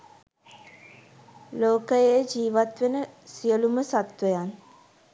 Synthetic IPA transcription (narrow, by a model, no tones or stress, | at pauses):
loːkəjed͡ʒiːʋat̪ʋenəsijəluməsat̪ʋəjan